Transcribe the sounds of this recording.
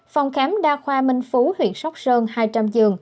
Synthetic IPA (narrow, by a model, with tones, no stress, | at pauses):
fa˨˩wŋ͡mxɛː˨˦mɗaː˧xwaː˧mï˧ŋ̟fu˨˦hwḭ˧˩ənsa˦˥wk͡p̚zəː˧nhaː˧jt͡ɕa˧mzɨ˨˩əŋ